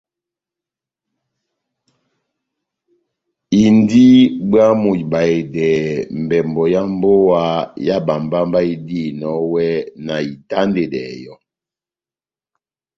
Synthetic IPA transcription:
i˨ndi˦bɰa˦mu˨ba˨e˨dɛː˨m̩˨bɛ˨mbɔ˨ja˦m˦bo˦wa˦ja˦ba˨mba˦m˦ba˦i˦di˦˨nɔ˨˦wɛ˦na˨i˨ta˦nde˨dɛ̰˨jɔ˦

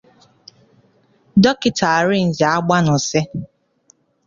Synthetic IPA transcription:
dɔ˦kɪ˨tʰa˨ɾɪ˦n̩˨d͡ʒa˨a˦ɡ͡ba˦nʊ˨se˦

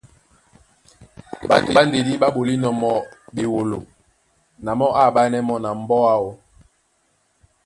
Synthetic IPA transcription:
ɓa̰˨to˨a˦n˦de˨di˦ɓa˦ɓo˨li˦nɔ˨mɔ˨be˨wo˨lo˨ | na˨mɔ˦ʔa˦˨ɓa˦nɛ˦mɔ˦na˨m˦bɔ˦a˦wo˦

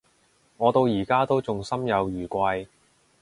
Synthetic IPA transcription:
ŋɔː˨˧t̪o˧wjiː˨˩kaː˥t̪o˥wt͡sʊ˨ŋsɐ˥mjɐ˨˧wjyː˨˩kʷɐ˧j

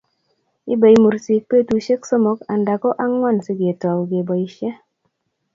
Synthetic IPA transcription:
i˦ba˨i˨mu˨ɾsi˨k̚pe˦˨tu˨ʃe˦kso˦mɔ˦ka˨nda˨kɔ˦ʔa˦ŋwa˦˨nsɪ˦ɡe˨tɔ˨wɡe˨bɔ˨i˨ʃɛ˦

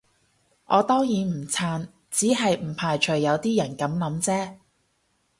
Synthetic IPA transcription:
ʔɔː˨˧t̪ɔː˥ŋjiː˨˧nm̩˨˩t͡sʰaː˧n | t͡siː˨˥ɦɐ˨jm̩˨˩pʰaː˨˩jt͡ʃʰɵ˨˩ɥːɐ˨˧wt̪iː˥jɐ˨˩nkɐ˨˥mlɐ˨˥mt͡sɛː˥

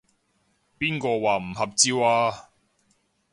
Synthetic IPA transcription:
piː˥nkɔː˧waː˨˩m̩˨˩hɐ˨p̚t͡siː˧waː˧

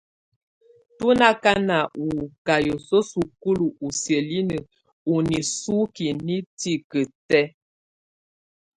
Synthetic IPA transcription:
tu˦na˦ka˦na˨ʔu˨ka˨jo˨so˦su˨ku˦lu˨ʔu˨sjə˨li˦nə˨ | u˨ni˨su˦ki˨ni˦ti˦˨kə˨tɛ˦

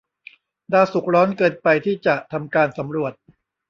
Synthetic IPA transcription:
daː˧su˨˩k̚ɾɔː˦˥nkɤː˧npa˧jt̪ʰiː˥˩t͡ɕa˨˩ʔt̪ʰa˧mkaː˧nsa˩˦mɾu˨˩ət̪̚

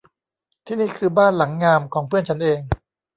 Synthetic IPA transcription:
t̪ʰiː˥˩niː˥˩kʰɯː˧baː˥˩nla˩˦ŋːaː˧mkʰɔː˩˦ŋpʰɯ˥˩ənt͡ɕʰa˦˥nʔeː˧ŋ

